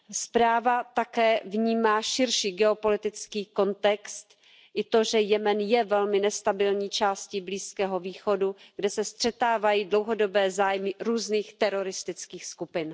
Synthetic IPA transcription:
spɾaːvat̪akɛːvɲiːmaːʃɪɾʃiːɡɛo̞po̞lɪt̪ɪt͡skiːko̞nt̪ɛkst̪ | ʔɪt̪o̞ʒɛjɛmɛnjɛvɛlmɪnɛst̪abɪlɲiːt͡ʃaːscɪbliːskɛːɦo̞viːxo̞duɡdɛsɛst̪r̝̥ɛt̪aːvajiːdlo̞wɦo̞do̞bɛːzaːjmɪɾuːzniːxt̪ɛɾoɾɪst̪ɪt͡skiːxskupɪn

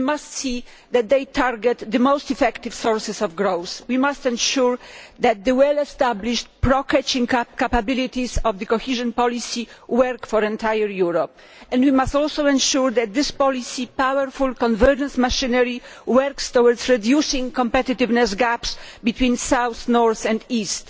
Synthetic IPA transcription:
imast̪si | d̪ɛt̪̚d̪ejt̪ʰaɾɡɛt̪d̪ɨmowst̪ifɛkt̪ivsɔɹsɛsɔvɡɾowswimast̪ɛ̃nʃuɹd̪ɛt̪̚d̪ɨwɛlɛst̪abliʃt̚pɾɔkɛt͡ʃĩŋkapabilit̪isɔvd̪ɨkɔhiʒɔ̃npɔlisiwɛɾkfɔɾɛ̃nt̪ajɛɾjuɾɔp̚ | ɛ̃nd̪wimast̪ɔlsowɛ̃nʃuɹd̪ɛt̪̚d̪ɪspɔlisipawɛɾfulkɔ̃nvɛɾd͡ʒɛ̃nsmaʃĩnɛɾiwɛɾkst̪ɔwɔɾd̪zɹɛd̪jusĩŋkɔ̃mpɛt̪it̪ɪvnɛsɡapsbit̪wĩnsawθnɔɹθɛ̃nd̪ist̪

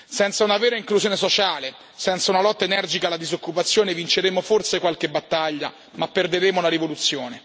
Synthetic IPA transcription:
sɛnt̪saunavɛːɾaiŋkluzjoːnesot͡ʃaːle | sɛnt̪saunalɔt̪ːaenɛrd͡ʒikalːad̪izokːupat̪sːjoːnevint͡ʃeɾeːmoforsekwalk̟ebat̪ːaʎːa̰ | mapːerd̪eɾeːmolaɾivolut̪sːjoːne

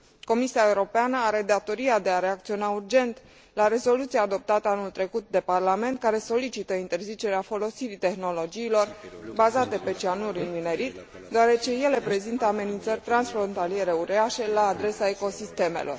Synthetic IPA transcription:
ko̞misiaeuɾo̞peanəaɾe̞d̪at̪o̞ɾiad̪e̞aɾeak̚t̪sio̞naurd͡ʒe̞nt̪ | laɾe̞zo̞lut̪sijaːd̪o̞p̚t̪at̪əanult̪ɾe̞kut̪̚d̪e̞parlame̞nt̪̚kaɾe̞so̞lit͡ʃit̪əint̪e̞rzit͡ʃe̞ɾeafo̞lo̞siɾit̪e̞xno̞lo̞d͡ʒiːlo̞rbazat̪e̞pe̞t͡ʃianuɾinmine̞ɾit̪ | d̪oaɾe̞t͡ʃe̞je̞le̞pɾe̞zint̪əame̞nint̪sərʲt̪ɾansfɾo̞nt̪alije̞ɾe̞uɾeaʃe̞laːd̪ɾe̞sae̞ko̞sist̪e̞mḛlʔo̞̰r

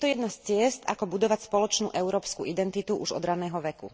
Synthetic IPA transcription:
t̪ɔjɛd̪nast͡sɪɛst̪akɔbud̪ɔʋacspɔlɔt͡ʃnṵːʔɛʊɾɔːpskṵʔid̪ɛnt̪it̪uʔuʒɔ̰d̪ɾanɛːɦɔʋɛkṵ

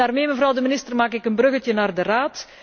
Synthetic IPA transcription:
aːrmeːməvrɑwdəmɪnɪstərmaːkɪkənbrɵɣətənaːrdəraːt

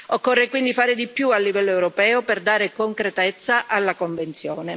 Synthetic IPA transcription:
okːorːekwind̪ifaːɾed̪ipjualːivɛlːoewɾopɛːoperd̪aːɾekoŋkɾet̪ɛt̪sːaʔalːakoɱvent̪sjoːne

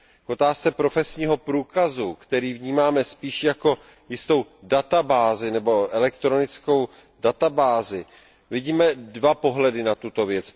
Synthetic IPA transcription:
kʔo̞t̪aːst͡sɛpɾo̞fɛsɲiːɦo̞pɾuːkazukt̪ɛɾiːvɲiːmaːmɛspiːʃjako̞ | jɪst̪o̞wdat̪abaːzɪnɛbo̞ʔɛlɛkt̪ɾo̞nɪt͡sko̞w | dat̪abaːzɪ | vɪɟiːmɛdvapo̞ɦlɛdɪnat̪ut̪o̞vjɛt͡s

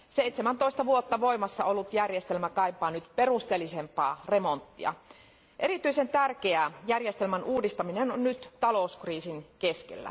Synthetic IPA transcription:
seit̪semænt̪oist̪ɑʋuot̪ːɑʋo̞imɑsːɑolːut̪jærjest̪elmækɑipˑɑːnyt̪pe̞rust̪elːisempɑ̰ːremont̪ːiɑ̰ | ʔe̞ɾit̪yisent̪ærkeæjærjest̪elmænʔuːdist̪ɑminenonnyt̪t̪ɑlo̞uskriːsinkeskḛlːæ̰

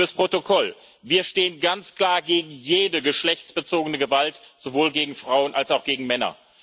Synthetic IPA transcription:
əspʁ̥otokʰɔl | viːɐʃteːənɡant͡skl̥aːɐɡeːɡŋ̩jeːdəɡəʃlɛçt͡sb̥ət͡soːɡənəɡəvaltz̥ovoːlɡeːɡŋ̩fʁ̥aʊənʔalsaʊxɡ̥eːɡŋ̩mɛnɐ̰

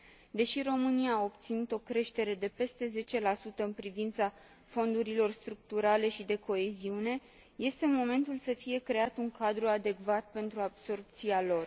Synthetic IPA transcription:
d̪e̞ʃiɾo̞mɨniaːo̞pt̪sinut̪o̞kɾe̞ʃt̪e̞ɾe̞d̪e̞pe̞st̪e̞ze̞t͡ʃe̞lasut̪əɨnpɾivint̪sa | fo̞nd̪uɾilo̞rst̪ɾuk̚t̪uɾale̞ʃid̪e̞ko̞e̞ziune̞ | je̞st̪e̞mo̞me̞nt̪ulsəfije̞kɾe̞at̪uŋkad̪ɾuad̪e̞kvat̪̚pe̞nt̪ɾuabso̞rpt̪sialo̞r

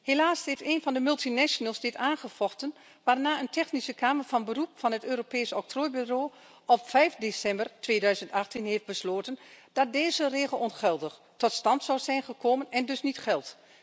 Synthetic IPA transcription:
heːlaːsɪeːnvɑndəmɵlˠtinɛʃonəlˠsdɪtaːnχəfɔxtən | ʋaːrnaːəntʰɛxnisəkaːmərfɑnbərupfɑnɦətøːɾopeːsəɔk̚troːjbyroː | ʔɔpfɛjfdesɛmbərtʋeːdœɥzəntaxtinɦeːft̚bəsloːtənd̥ɑt̚deːzəreːɣəlˠɔnχɛlˠdəx | tɔtstɑntsɔwzɛjnχəkʰoːmənɛndɵsnitxɛlˠt

